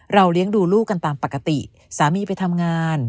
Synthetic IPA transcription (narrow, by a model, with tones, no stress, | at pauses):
ɾa˧wli˦˥əŋduː˧luː˥˩kːa˧nt̪aː˧mpa˨˩kːa˧t̪i˨˩ | saː˩˦miː˧pa˧jt̪ʰa˧mŋaː˧n